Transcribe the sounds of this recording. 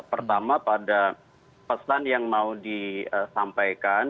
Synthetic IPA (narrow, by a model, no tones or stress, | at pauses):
pərt̪amapada | pəsanjaŋmaudiəsampajkan